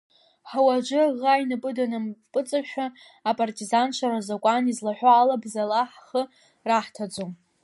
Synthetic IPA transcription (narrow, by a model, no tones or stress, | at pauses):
ħawad͡ʒʷʊʁajnɨpʼɨdanɨmpʼɨt͡sʼaʃᶣa | apʼartʼizant͡ʃʷʰaɾazakʷʼanizlaħʷᶣaːlabzalaħχə | raħtʰad͡ʒʷom